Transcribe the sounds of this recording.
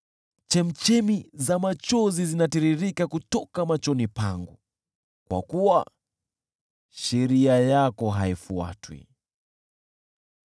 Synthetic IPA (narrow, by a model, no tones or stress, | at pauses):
t͡ʃɛm̩t͡ʃɛmizamat͡ʃɔzizinatiɾiɾikakutɔkamat͡ʃɔnipaŋɡu | kwa̰kuwa̰ | ʃɛɾiajakɔɦaifua̰twḭ